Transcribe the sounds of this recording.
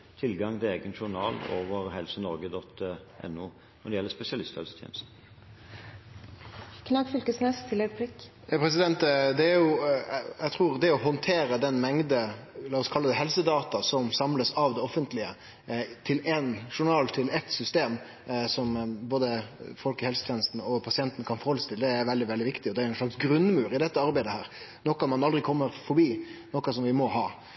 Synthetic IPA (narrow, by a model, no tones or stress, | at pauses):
t̪ʰɪlɡɑŋt̪ʰɪleːɡənʃʊɾɳɑ̰ːlo̰ːʋəɾhɛlsənɔɾɡəd̪ɔt̪ːʔɛ̰nuː | nɔd̪ɛjɛlːəspɛsɪɑlɪst̪hɛ̰lsə̥t̪ʰjɛ̰ːnəst̪n̩ | kʰnɑɡfʏlkəsnɛst̪ʰɪlɛpʰlɪkː | pʰɾɛsɪd̪ɛnt̪d̪ɛæɾjʊ | æɡt̪ʰʁuːʁd̪ɛɔɦɔnt̪ʰeːɾəd̪ɛnmɛŋd̪əlɑːɔskʰɑlːəd̪ɛɦɛlsəd̪ɑːt̪ɑsɔmsɑmləsɑʋd̪ɛɔfənt̪lɪə | t̪ʰɪlɛnʂʊɳɑːlt̪ʰɪlɛt̪sʏst̪eːm | sɔmboːd̪əfɔlkɪhɛlsət̪ʰjɛːnəst̪n̩ɔpʰɑsɪɛnt̪nkʰɑnfɔɾɔlst̪ɪld̪ɛæɾʋɛld̪ɪʋɛld̪ɪʋɪkt̪ɪɔd̪ɛæɾʊɛnʂɭɑksɡɾʉnmʉːɾɪd̪ɛt̪ːəɑɾbæɪd̪əhæːɾ | nɔkːɑmɑnɑld̪ɾɪkʰɔmːəɾfɔɾbiːnɔkːɑsɔmʋɪmɔɦɑː